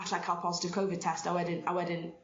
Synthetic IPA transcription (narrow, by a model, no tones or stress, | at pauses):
t͡ʃlaɪkʰalˠpʰɒzɪ̥tɪv̥kʰoʊvɪd̚tʰɛstaɪwɛdɪ̃na̰ɪwɛdɪ̃n